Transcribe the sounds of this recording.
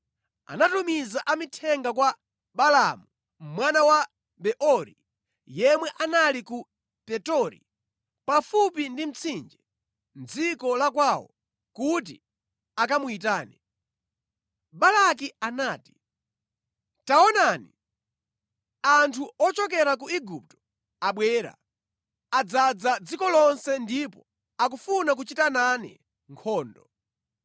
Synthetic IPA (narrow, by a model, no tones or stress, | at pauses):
a̰natumizaʔamitʰɛŋɡak̬wa | ɓalamu | mwanawa | bɛʔɔɾḭ | jɛmwɛʔanaliku | pɛtɔɾḭ | pafup̬indim̩t͡sʰind͡ʒɛ | nd͡zikɔlakwawɔ̰ | kut̬ḭ | ak̬amuitaːni | balak̬ianaːti̥ | taɔnanḭ | antʰuɔt͡ʃɔk̬ɛɾakuiɡup̚tɔ̥ | aɓwɛːɾa̰ | ad͡zad͡zad͡zikɔlɔnsɛndipɔ | ak̬ufunak̬ut͡ʃitananɛ̰ | ŋkʰɔːndɔ